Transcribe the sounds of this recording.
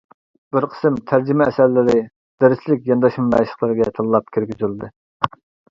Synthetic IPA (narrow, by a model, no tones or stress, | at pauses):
b̥ɪɾqʰə̥sɨmt̪ʰæɾd͡ʒimɛːsæɾlɪɾɪ | d̪̥eɾɪslɪkʲjɑnd̪ɑʃmɨmɛ̰ʃə̥χlˠɨɾɪɡʲɛt̪ʰɑlˠːɑp̚kʲʰeɾɡʲyzyld̪ɨ